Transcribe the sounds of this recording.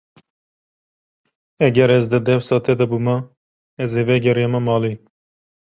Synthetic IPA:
ɛɡɛɾɛzd̪ɨd̪ɛwsɑːt̪ɛd̪ɛbumɐ | ɛzevɛɡɛɾjɑmɐmɑːli

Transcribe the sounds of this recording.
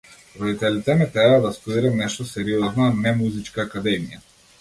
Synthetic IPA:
ɾɔd̪it̪ɛlit̪ɛmɛt̪ɾɛbad̪ast̪ud̪iɾɛnɛʃt̪ɔsɛɾiɔznanɛmuzit͡ʃkaːkad̪ɛmija

